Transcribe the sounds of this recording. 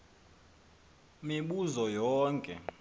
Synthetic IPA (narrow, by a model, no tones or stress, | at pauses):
miɓuzɔjɔːŋkʼɛ̰